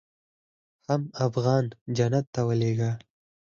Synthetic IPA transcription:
hamafɣɑnd͡ʒanat̪ːawəleɡa

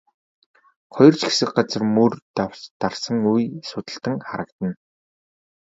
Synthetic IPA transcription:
χɔjɞ̆r̥t͡ɕɡe̥sɘ̆k̚ɢat͡sə̆rmurt̪aw̥t͡ɕt̪arsə̆ŋujsʊt̪ə̆ɬt̪ə̆ŋχaɾə̆kt̪ə̆n

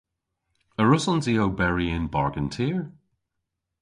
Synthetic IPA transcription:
əɹʊsənziowbɛɹiɪ̃nbaɹɡə̃ntʰiːɹ

